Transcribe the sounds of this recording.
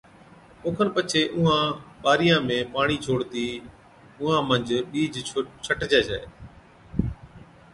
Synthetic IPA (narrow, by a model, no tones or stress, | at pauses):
ʊːkʰənpət͡ʃʰeːʔʊɦãːɓaːɾɪjãːmẽːpaːɳ̃iːt͡ʃʰoːɽt̪iː | ʊɦãːmə̃ɲd͡ʒɓiːd͡ʒt͡ʃʰəʈd͡ʒaːd͡ʒaːeː